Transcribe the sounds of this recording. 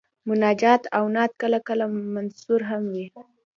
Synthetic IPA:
mʊnɑd͡ʒɑt̪awnɑt̪̚kəlakəlamansuɾɦamwi

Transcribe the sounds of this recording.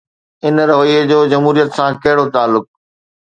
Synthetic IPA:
ɪnɾɐʋəied͡ʑoːd͡ʑɐmɦuːɾijət̪sãkɐɦɪɽot̪aːlːʊk̚

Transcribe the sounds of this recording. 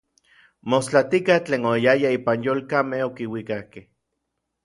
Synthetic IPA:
most͡ɬat̪ikaht͡ɬeːnojajaiːpanjoːlkamehokiwikahkeh

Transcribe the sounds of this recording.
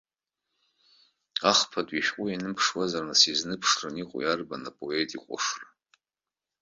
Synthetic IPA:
aχpʰatʼiʃᶣqʷʼʊjanɨmpʰʂwazarnasiznɨpʰʂrɨniqʷʼʊ̰jarba̰napʼo̞e̞tʼiqʷʼa̰ʂra

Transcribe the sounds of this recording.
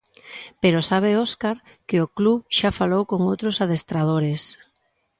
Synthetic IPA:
peɾosaβ̞eoskaɾ | kɪokluʃafalowkoŋowt̪ɾosað̞est̪ɾað̞oɾɪs

